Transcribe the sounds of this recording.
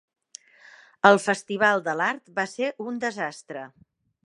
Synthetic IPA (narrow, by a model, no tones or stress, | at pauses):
əlˠfəst̪iβ̞alˠd̪əlaɾt̪baseɾʔund̪əzast̪ɾə